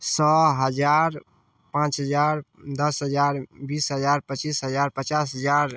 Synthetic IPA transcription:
sɔɦəd͡ʒaɾ | pãːt͡ʃɦəd͡ʒaɾd̪əsɦəd͡ʒaɾbisɦəd͡ʒaɾpət͡ʃisɦəd͡ʒaːɾpət͡ʃasɦəd͡ʒaɾ

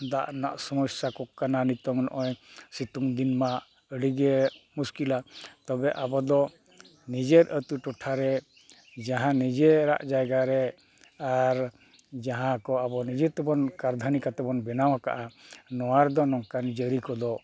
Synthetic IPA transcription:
d̪aʔna̰ʔsɔmɔsakɔkananit̪ɔŋnɔ̰ʔɔjsit̪uŋd̪inma | əɽiɡɛmuskilat̪ɔbɛʔabɔd̪ɔ | nid͡ʒeɾət̪uʈɔʈʰaɾɛ | d͡ʒaɦãnid͡ʒeɾa̰ʔd͡ʒajɡaɾɛ | aɾ | d͡ʒaɦãkɔabɔnid͡ʒɛt̪ɛbɔnkaɾd̪ʱanikat̪ɛbɔnbɛnawaka̰ʔanɔwaɾd̪ɔnɔŋkanid͡ʒeəɾikɔd̪ɔ

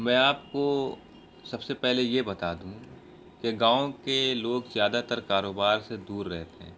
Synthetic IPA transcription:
mɛ̃ːaːp̚ko | sɐbsepɛɦlejebɐt̪aːd̪ũ | keɡãːõkeloːɡzjaːd̪at̪əɾkaːɾoːbaːɾsed̪uːɾːɛɦt̪eɦɛ̰̃ː

